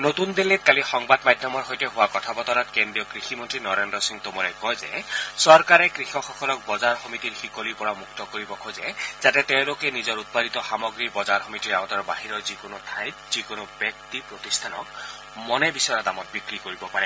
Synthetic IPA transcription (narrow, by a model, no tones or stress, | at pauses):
not̪und̪elet̪̚kalixɔŋbadmadʱjɔmɔɹɦojteɦʊwakɔt̪ʰabɔt̪ɔnat̪̚kendɹijɔkɾiximɔntɹinɔɾendɾɔsiŋt̪omɔɹɛkɔjzḛsɔɹkaɾekɹixɔxɔkɔlɔk̚bɔzaɹxɔmit̪iɹxikolipɔɹamuk̚t̪ɔkoɹibɔkʰojzɛzatɛt̪eʊ̃lokenizɔɹut̪̚padʱit̪ɔxamɔɡɾibɔzaɹxɔmitiɹaɡɔt̪ɔɹbaɦiɾɔzikonot̪ʰãjt̚z̥ikonobjɔk̚t̪ipɹot̪ist̪ʰanɔ̰k̚ | mɔnebisɔad̪amɔt̪̚bikɹikoɹibɔpaɾɛ